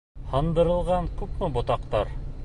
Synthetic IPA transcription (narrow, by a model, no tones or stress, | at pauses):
hɑnd̪ɤ̆ɾɤ̆lˠʁɑɴkʉpmɘbŏt̪ɑqt̪ɑɾ